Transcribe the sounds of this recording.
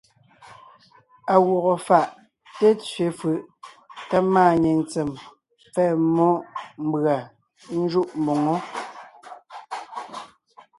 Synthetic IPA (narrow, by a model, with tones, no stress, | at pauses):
a˨wɔ˨ɣɔ˨fa˨ʔ | te˦t͡sɥe˨˦fɯ˨ʔ | ka˦maː˦˨ɲe˨n˨t͡sɛ˨m | p͡fɛ˦˨mɔ˦ʔm̩˦bɰa˨ | n̩˦d͡ʒu˦ʔm̩˨bɔ˨ŋɔ˦